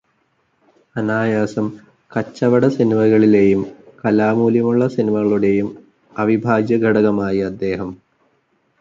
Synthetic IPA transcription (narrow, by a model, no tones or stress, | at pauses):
ɐnaːjaːsɐm | kɐt͡ɕːɐʋɐɽɐsɐniʋɐɣɐɭile̞jumkɐlaːmuːljɐmuɭːɐsɐnimɐɣɐɭuɽe̞jum | ɐʋibʱaːɡjɐɡʱɐɽɐɣɐmaːjiɐd̪ːe̞ːɦɐm